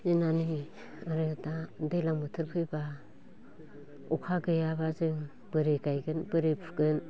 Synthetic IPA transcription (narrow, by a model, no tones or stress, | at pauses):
zenani | aɾɯtadelaŋmɯtʰɯɾpʰɯjba | ukʰaɡɯjabazɯŋ | b̥ɯɾeɡajɡɯnbɯɾepʰɯɡɯn